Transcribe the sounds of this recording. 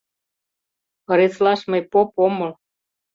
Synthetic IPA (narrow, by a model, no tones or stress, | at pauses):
ɤ̆ɾet͡slɑʃməjpopomɤl